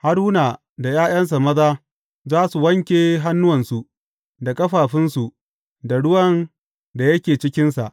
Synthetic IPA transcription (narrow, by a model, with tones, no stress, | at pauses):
ha˦ɽuː˦naː˨ | da˨jaː˦j̰ɐ˦ns̬a˨mɐ˦zaː˦ | zaː˦su˨wɐ˦ŋkʲeː˨ɦa˦nːʊ˦wɐ˨nsu˨ | da˨kʼɐ˦ɸaː˨ɸɪ˦nsu˨ | da˨ɽʊ˦wɐ˦n | da˨jɐ˦kʲeː˨t͡ʃɪ˦kʲɪ˦nsa˨ʔ